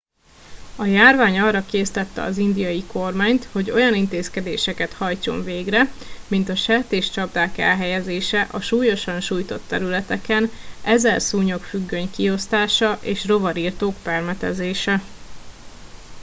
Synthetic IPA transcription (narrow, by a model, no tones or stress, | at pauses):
ɒjaːrvaːɲɒːrːɒkeːst̪ɛt̪ːɛ̰ɒ̰zind̪ijɒjiko̞rmaːɲt̪ho̞ɟo̞jɒnint̪eːskɛd̪ḛːʃɛkɛt̪hɒjt͡ʃo̞̰ɱveːɡrɛmint̪ɒʃɛt̪eːʃt͡ʃɒb̚d̪aːkɛ̰lɦɛjɛzeːʃɛʔɒʃuːjo̞ʃɒnʃuːjt̪o̞t̪ːɛɾylɛt̪ɛkɛnʔɛzɛlsuːɲo̞kfyɡːøɲkio̞st̪aːʃɒʔeːʃro̞vɒɾiːrt̪oːkpɛrmɛt̪ɛ̰zeːʃɛ